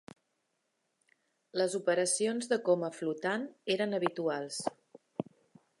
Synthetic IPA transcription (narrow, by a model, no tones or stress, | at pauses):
ləzupəɾəsionzðəkɔməflut̪aneɾənəβ̞it̪ualˠs